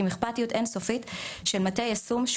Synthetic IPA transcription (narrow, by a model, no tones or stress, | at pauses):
imiχpatijutʔensofitʃelmatejasumʃ